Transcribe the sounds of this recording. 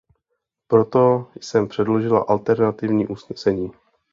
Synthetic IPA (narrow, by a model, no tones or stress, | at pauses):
pɾo̞t̪o̞jsɛmpr̥ɛdlo̞ʒɪla̰ʔalt̪ɛɾnat̪ɪvɲiːʔusnɛsɛɲiː